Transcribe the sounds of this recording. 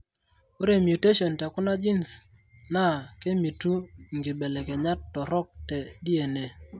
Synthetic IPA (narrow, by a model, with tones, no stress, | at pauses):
o˦ɾe˦˨mju˨te˦ʃɔ˨ntɛ˨kʊ˦na˦d͡ʒi˦ns | na˦˨ke˦mi˨tu˦ŋɡi˨bɛ˨lɛ˨kɛ˨ɲa˦tːɔ˨ɾɔ˦k̚tɛ˨di˦e˨ne˨